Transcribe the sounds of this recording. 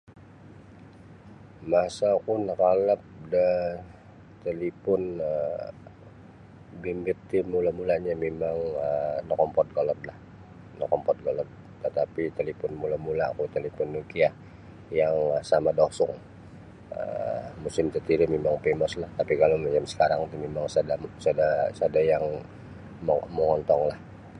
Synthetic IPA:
masakunakalap̚də | t̪əlipʊnə | bimbɪt̪ːimulamulaɲamemaŋənɔkɔmpɔt̪̚ɡɔlɔt̪̚lah | nɔkɔmpɔt̪̚ɡɔlɔt̪̚ | t̪ət̪apit̪əlipʊnmulamulakut̪əlipʊnːukiah | jaŋsamadɔsɔŋ | ə̰musɪmt̪ət̪iɾimemaŋpemɔslaht̪apikalomat͡ʃamsə̥kaɾaŋt̪umemaŋsadasadasadajaŋ | mməŋɔnt̪ɔŋlah

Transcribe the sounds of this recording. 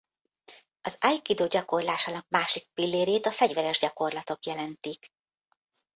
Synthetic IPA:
ɒzajkid̪oːɟɒko̞rlaːʃaːnɒk̚maːʃik̚pilːeːɾeːt̪ɒfɛɟvɛɾɛʒɟɒko̞rlɒt̪o̞kjɛlɛnt̪ik

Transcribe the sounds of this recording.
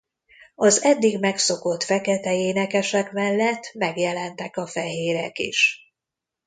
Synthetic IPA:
ɒzɛd̪ːiɡmɛkso̞ko̞t̪fɛkɛt̪ɛeːnɛkɛʃɛkmɛlːɛt̪ːmɛɡjɛlɛnt̪ɛkɒfɛɦeːɾɛkḭʃ

